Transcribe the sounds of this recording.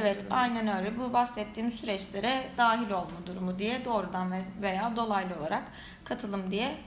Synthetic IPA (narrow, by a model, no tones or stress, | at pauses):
evɛt̪ajnɛnøjlʲɛbubasɛt̪ʰːiːmsyɾɛt͡ʃlʲe̞ɾɛd̪aːɦilʲo̞lˠmud̪uɾumud̪ijɛd̪o̞ːɾud̪anve̞jaːd̪o̞lˠajlˠɯo̞lˠa̰ɾak | kʰːat̪ʰɯlˠɯmd̪ijɛ